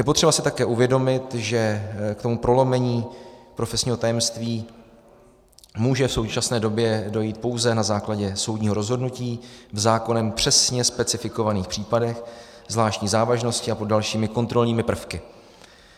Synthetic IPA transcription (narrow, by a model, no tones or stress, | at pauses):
jɛpo̞t̪r̥ɛbasɪt̪akɛːʔuvjɛdo̞mɪt̪ʒɛkt̪o̞mupɾo̞lo̞mɛɲiːpɾo̞fɛsɲiːɦo̞t̪ajɛmst̪viː | muːʒɛfso̞wt͡ʃasnɛːdo̞bjɛdo̞jiːt̪̚po̞wzɛnazaːklaɟɛso̞wdɲiːɦo̞ɾo̞zɦo̞dnuciːvzaːko̞nɛmpr̝̥ɛsɲɛspɛt͡sɪfɪko̞vaniːxpr̥iːpadɛx | zvlaːʃcɲiːzaːvaʒno̞scɪapodalʃiːmɪko̞nt̪ɾo̞lɲiːmɪpr̩fkɪ